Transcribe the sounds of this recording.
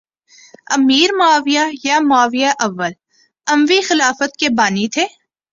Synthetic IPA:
ɐmiːɾmʊaːʋijajamʊaːʋijaʔɐʋːəl | ɐ̃mʋixɪlaːfət̪̚kebaːnit̪ʰeː

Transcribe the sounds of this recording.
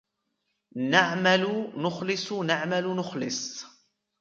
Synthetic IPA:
naʕmalʊnʊxlɪsˤʊnaʕmalʊnʊxlɪ̰sˤ

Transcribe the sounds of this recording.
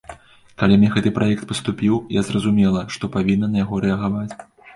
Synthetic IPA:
kalʲimnʲɛɣɛt̪ɨpɾʔajɛkt̪̚pɐst̪upʲiwjazrɐzumʲɛlˠɐʂt̪ɔpavʲinːɐnɐjaɣɔɾɛɐɣavat͡sʲ

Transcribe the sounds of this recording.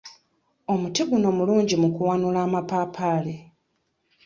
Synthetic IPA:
o̞mutiɡuno̞muluːɲɟimukuwanulaːmapaːpʰaːle

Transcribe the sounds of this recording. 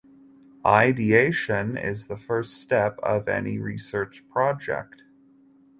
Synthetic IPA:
ʔaɪdieɪʃɨ̃nɪ̰zðəfɜ˞ststɛpʌ̰vɛ̰niɹisɜ˞t͡ʃpʰɹ̥ɑd͡ʒɛ̰k̚t̚

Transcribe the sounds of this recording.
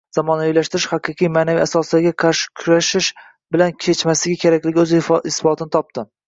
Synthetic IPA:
z̥amɒnavilaʃt̪ɪɾɪʃhɑqɨqʰijmaːnaviasɒsɪaɡʲaqʰɑɾʃɪ̥kʲʰʊɾaʃɪʃ | bɪlankʲʰe̞t͡ʃmaslɪɡʲɪkʲʰe̞ɾakʲlɪɡʲɵzɪsfɒt̪ʰɪnɪt̪ʰɒp̚t̪ɪ

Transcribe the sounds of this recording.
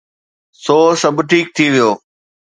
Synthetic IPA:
soːsɐbʈʰiːk̚t̪ʰiʋijoː

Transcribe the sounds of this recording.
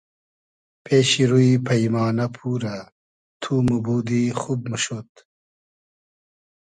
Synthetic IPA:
pʰeːɕiɾuipʰɐjmaːnɐpʰuːɾɐ | t̪ʰumubuːd̪ixub̚muɕot̪

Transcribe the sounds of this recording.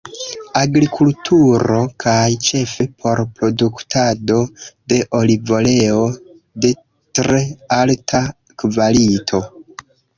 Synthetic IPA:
aɡɾikʰultʰuɾo̞kʰajt͡ʃe̞fe̞pʰo̞ɾpɾo̞duktʰado̞de̞ʔo̞livo̞le̞o̞ | de̞ | tɾe̞altʰa | kvalitʰo̞

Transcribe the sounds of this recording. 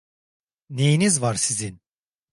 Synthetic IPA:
ne̞jinizvaɾsizin

